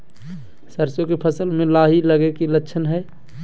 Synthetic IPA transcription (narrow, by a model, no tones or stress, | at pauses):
səɾsjokepʰəsəlmẽlaɦiləɡekilətːʃʰənɦɛ